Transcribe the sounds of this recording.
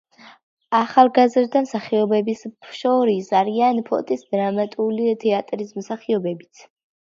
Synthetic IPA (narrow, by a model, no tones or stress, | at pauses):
aχalˠɡazɾd̪amsaχiɔbɛbisʃɔɾisaɾianpʰɔ̰t̪ʼisd̪ɾamat̪ʼulit̪ʰɛat̪ʼɾismsaχiɔbɛbit̪sʰ